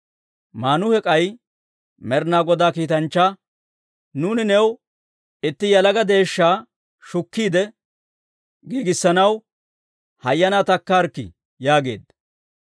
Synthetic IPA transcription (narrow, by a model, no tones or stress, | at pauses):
maːnʊhɛkʼɐj | mɛɾnaːɡɔd̪aːkiːt̪ɐnt͡ʃːa | nuːnɪnɛw | ɪt̪ːɪjɐlɐɡɐd̪e̞ːʃːaː | ʃʊkːiːd̪ɛ | ɡiːɡɪsːɐnɐw | hɐjːɐnat̪ɐkːaːɾkːɪ̰ | jaːɡe̞̰ːd̪ɐ